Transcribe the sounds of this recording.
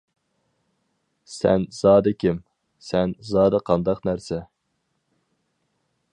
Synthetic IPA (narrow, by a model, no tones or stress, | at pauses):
sɛ̰nz̥ɑːd̪ɨkʲim | sɛnzɑːd̪ɨqʰɑnd̪ɑqnæɾsɛ